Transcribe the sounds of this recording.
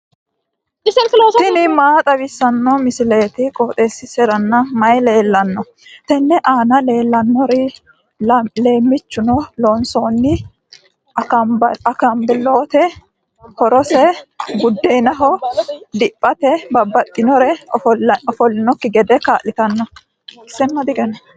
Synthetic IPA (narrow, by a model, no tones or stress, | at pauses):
sɪnɪmaːt̪ʼɐbɪsːɐnːɔmɪsɪleːt̪ɪkʼoːt̪ʼe̞ːsːɪsɛɾɐnːɐmɐjle̞ːlːɐnːɔ | t̪ɛnːɛʔaːnɐle̞ːlːɐnːɔɾɛ | le̞ːmːɪt͡ʃːʊnɔloːnsoːnːɪ | ɐkɐmbɛloːt̪ɛ | hɔɾɔsɛɡʊd̪ːenɐɦɔd̪ɪpʼːɐt̪ɛbɐbːɐt̪ʼːɪnɔɾɛ | ɔfɔlːɪnɔkːɪɡɛd̪ɛkaːʔlɪt̪ɐnːɔ | ɪsːɛnːɐd̪ɪɡɛnɐ